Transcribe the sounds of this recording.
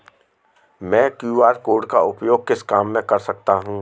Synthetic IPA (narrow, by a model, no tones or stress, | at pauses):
mɛ̃ːkjuːaːɾkoːɾɖkaʊpjoːɡ̚kɪskaːmːẽkɐɾsɐk̚t̪aɦũː